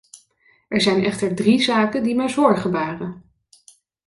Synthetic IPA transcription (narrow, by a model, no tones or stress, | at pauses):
ɛɹzɛjnɛχtəɹdrizaːkəndimɛjzɔɹχəbaːrə